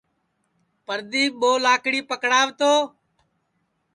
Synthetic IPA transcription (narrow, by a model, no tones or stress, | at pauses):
pəɾd̪iːɓoːlaːkɽiːpəkɽaːʋt̪oː